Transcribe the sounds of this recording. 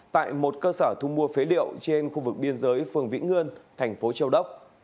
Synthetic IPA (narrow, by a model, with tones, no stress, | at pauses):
t̪a̰ː˧˨jmo˨˩t̚kəː˧səː˧˩t̪ʰʊ˧ŋ͡mmu˧əfe˨˦lḭ˧˨əwt͡ɕe˧nxu˧vɨ˨˩k̚ɓi˧ənzəː˨˦jfɨ˨˩əŋvḭ˧˥ŋ̟ŋɨ˧ənt̪ʰɛ˨˩jŋ̟fo˨˦t͡ɕə˧wɗə˦˥wk͡p̚